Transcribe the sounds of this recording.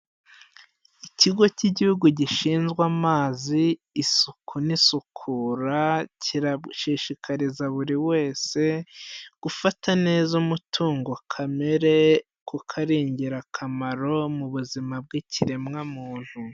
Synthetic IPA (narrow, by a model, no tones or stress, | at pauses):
iciɡo̞ciɟihuɡuɟiʃiːnzɡwamaːziː | sukʰunisukʰuːɾaciɾaʃiʃikʰaɾizaβuɾiwe̞ːse̞ɡ̥ufatʰane̞zumutʰuːŋɡo̞kʰameɾe̞ | kukʰaɾiːɲɟiɾakʰamaɾo̞muβuzimab̚ɡiciɾe̞mŋamuːn̥hu